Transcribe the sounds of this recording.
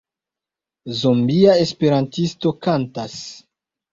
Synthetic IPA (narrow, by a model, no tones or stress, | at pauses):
zombiae̞spe̞ɾantisto̞kantas